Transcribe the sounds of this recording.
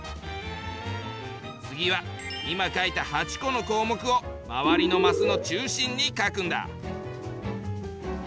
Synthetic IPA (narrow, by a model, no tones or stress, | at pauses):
t͡sɨɡʲiβaimakait̪ahat͡ɕi̥ko̞no̞ko̞ːmo̞kɯ̟o̞maβaɾʲino̞masɨno̞t͡ɕɨːɕĩɲ̟ːikakɯ̟̃nd̪a̰